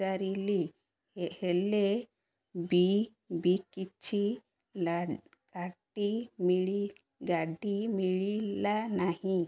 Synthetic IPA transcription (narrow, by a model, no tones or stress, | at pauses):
aɾili | hele | bi | bikit͡ʃʰi | kaʈimiɭi | ɡaɖimiɭilanahĩ